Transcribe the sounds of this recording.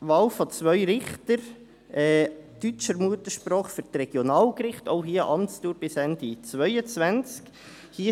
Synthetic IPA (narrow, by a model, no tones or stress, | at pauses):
ʋɑlfhɑt͡sʋœʏɾɪχt̪əɾ | ɛːt̪yt͡ʃəɾmuətəʃpɾɔːχfyɾtɾɛɡ̥jonɑːlkɾɪχto̰ʊɦiːəʔɑmtt͡stuːɾb̥ɪsɛnd̥it͡svœʏət͡sʋænt͡sk | hiːə